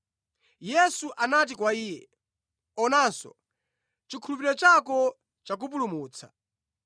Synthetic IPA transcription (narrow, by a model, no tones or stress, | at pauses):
jɛsuʔanat̬ikwaiːjɛ | ɔnansɔ̰ | t͡ʃikʰulupiɾɔt͡ʃakɔ | t͡ʃak̬upulumuːt͡sʰa